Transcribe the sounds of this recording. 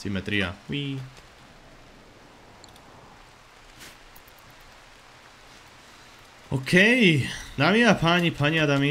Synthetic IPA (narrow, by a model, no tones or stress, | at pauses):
simet̪ɾia̰wi | okʰejd̪amiapʰaɲipʰaɲiad̪ami